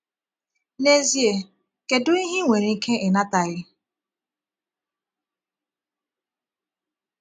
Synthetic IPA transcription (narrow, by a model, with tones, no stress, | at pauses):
ne˦zi˦e˨ | ke˨dʊ˦i˦ɦi˦ŋʷe˨ɾi˨˦kʰe˦ʔɪ˨na˦ta˨ɣɪ˦